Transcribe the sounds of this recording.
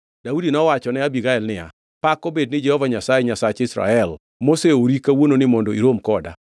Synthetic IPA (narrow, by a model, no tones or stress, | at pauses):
d̥audinɔwat͡ʃɔnɛabiɡaɛlnɪa̰ | pakobed̚nɪd͡ʒɛhɔvaɲasajeɲasat͡ʃɪsɾa̰ɛl | moseoɾikawononɪmɔndoiɾomkɔda̰